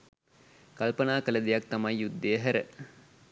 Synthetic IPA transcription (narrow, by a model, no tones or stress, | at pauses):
kalpənaːkələd̪ijɐk̚t̪ɐmajːud̪ːəjəɦæɾə̰